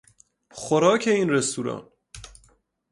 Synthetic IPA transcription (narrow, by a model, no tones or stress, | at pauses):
xoɾɒːkʰeiːnrest̪uːɾɒ̰ːn